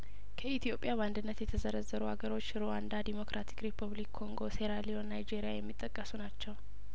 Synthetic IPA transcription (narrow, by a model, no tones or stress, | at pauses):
kʰəit̪ʰijo̞pʼjaβand̪ɨnːət̪jɛt̪ʰəzəɾəzəɾuha̰ɡəɾo̞t͡ʃːɾowand̪ad̪imo̞kɾʔat̪ʰi̥kɾipʰuβlikʰːo̞ŋɡo̞se̞ɾalionːajd͡ʒe̞ɾijajɛmːit̪ʼːəkʼːəsunat͡ʃːɛw